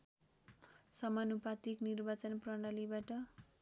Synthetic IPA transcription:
sʌmanupat̪iknirbat͡sʌnprʌɽ̃alibaʈʌ

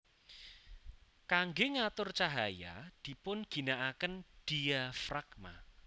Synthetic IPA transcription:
kaŋɡeŋat̪ʊrt͡ʃaɦaja̰d̪̥i̤pʊnɡ̥i̤naʔakənd̥iafɾakma

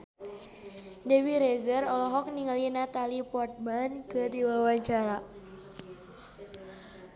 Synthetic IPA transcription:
dɛwiɾezərɔlɔɦɔk̚niŋalinat̪alipɔrt̪̚mankədiwawaɲt͡ʃaɾa

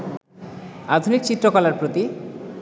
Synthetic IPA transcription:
ad̪ʱunik̚t͡ɕit̪ːɾokɔlaɾpɾot̪i

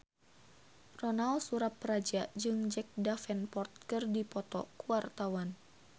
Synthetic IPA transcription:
rɔnalsuɾaprad͡ʒad͡ʒɨŋd͡ʒɛk̚dafɛnpɔrt̪̚kɨrdipɔt̪ɔ̰kuwart̪awan

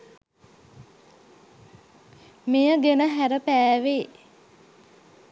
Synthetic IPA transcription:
mejəɡenəɦæɾəpæːʋeː

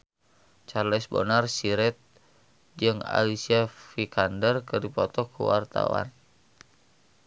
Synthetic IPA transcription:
t͡ʃarlɛsbo̰narsiɾɛt̪̚ | d͡ʒɨŋa̰lisiafikʰandərkɨdipɔt̪ɔkṵwa̰rt̪a̰wa̰n

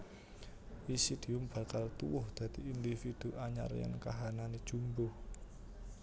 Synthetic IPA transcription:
wisid̪̥i̤ʊmb̥a̤kalt̪uwʊhd̪̥a̤d̪̥iind̪ifid̪̥uʔaɲa̰r̰ja̰nkaɦananid̥ʒ̥ṳmbʊh

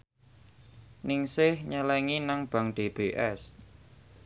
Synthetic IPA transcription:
nɪŋsɪhɲəlɛŋinaŋb̥a̤ŋɖ̥eb̥eʔɛs

